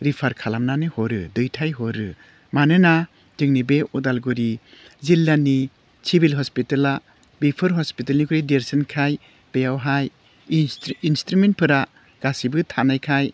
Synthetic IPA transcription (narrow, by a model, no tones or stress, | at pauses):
ɾipʰaɾkʰalamnanɯhɔɾɯ̰dɯjtʰajɦɔɾɯ | manɯna | dɯŋnibeɔdalɡuɾi | zilːani | sibilɦɔspitala | bipʰɯɾɦɔspitalnikʰuɾideɾsinkʰaj | b̥ejawɦaj | instɾument̚pʰɯɾa | ɡ̥asibɯtʰanajkʰaj